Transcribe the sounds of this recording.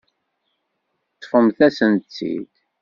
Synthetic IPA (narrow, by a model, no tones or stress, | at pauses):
t͡sːfəmθæsənt͡sːḭd̪